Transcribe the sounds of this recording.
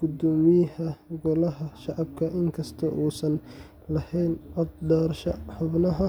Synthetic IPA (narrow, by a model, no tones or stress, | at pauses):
ɡ̥ʊd̪ɔːmɪjɐhɐɡɔlɐɦɐʃɑʕɑb̚kʰɐʔɪŋkʰɐst̪ʰɐʔuːsɐn | lɐhɛjnɔd̪ɖ̪ɔːrʃɐħʊbnɐɦɐ